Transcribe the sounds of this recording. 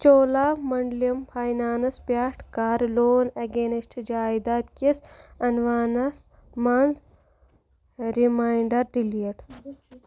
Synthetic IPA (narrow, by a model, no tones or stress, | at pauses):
t͡ʃoːlaːmɐɳɖliɐmpʰaːjnaːnɐspaːʈʰkaːɾloːneɡeːnisʈʰd͡ʒaːjd̪aːt̪kesɐnʋaːnɐs | manz | ɾimaːiɳɖɐɾɖiliʈ